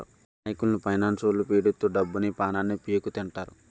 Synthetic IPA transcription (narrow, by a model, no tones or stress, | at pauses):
naːjikulnupʰɐjnaːnsoːlupiːɽut̪ːuːɖɐbːunipaːnaːnːipijekut̪iɳʈaːɾu